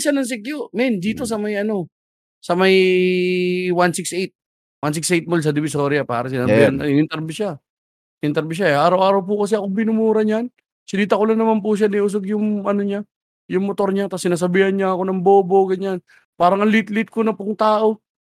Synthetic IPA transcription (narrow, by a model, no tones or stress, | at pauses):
ʃanɐŋs̬ɪkjomɛnd̪iːt̪o̞s̬ɐmɐjʔɐno̞ | sɐmɐj | wansiksʔejt̪̚ | wans̬ɪksʔejt̪̚mols̬ɐd̪ɪbɪsoːɾjɐpa̰ːɾɐsɪnaːbihanɪnɪnt̪ɛɾbɪʃa | ɪnɪnt̪ɛɾbɪʃ̬aʔaːɾɐwʔaːɾɐwp̬ukɐs̬ɛɐkobɪnʊmuːɾɐɲan | sɪliːt̪ɐkolɐnɐmanp̬uʃ̬aniʔʊs̬oɡjʊŋʔɐnoɲa | jʊŋmot̪o̞ɾɲat̪asːɪnaːs̬ɐbiːhɐnɲaɐko̞nɐŋbo̞ːbo̞ɡɐɲan | paːɾɐŋɐlit̪lɪt̪̚konɐpʊŋt̪aːʔo̞